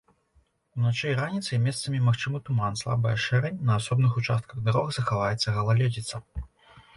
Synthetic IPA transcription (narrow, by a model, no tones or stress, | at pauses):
unat͡ʂɛjɾanʲit̪sɐjmʲɛst̪sɐmʲimaxt͡ʂɨmɨt̪umanslˠa̰bɐjɐʂɛɾɛnʲnɐːsɔbnɨxut͡ʂast̪̚kɐɣd̪aɾɔɣzɐxavajɛt̪sːɐɣɐlˠalʲɛd͡zʲit̪sɐ